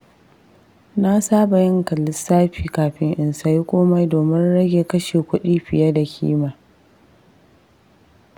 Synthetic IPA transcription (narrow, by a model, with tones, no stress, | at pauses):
na˦saː˦ba˨jɪ˦ŋkɐ˨lɪ˦saː˦ɸiː˨kaː˨ɸɪ˦ŋʔɪ˨nsa˦ji˦kʷʼoː˦ma˦jdoː˨mɪ˦nɽɐ˦ɡʲeː˨kɐ˦ʃeː˨kʷʊ˦ɗiː˦ɸɪ˨ja˦da˨kʲʰḭː˦maː˨